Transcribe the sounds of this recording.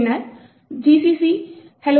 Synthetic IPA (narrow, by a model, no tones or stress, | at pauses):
naɾ | d͡ʒiːsiːsiː | hɛlo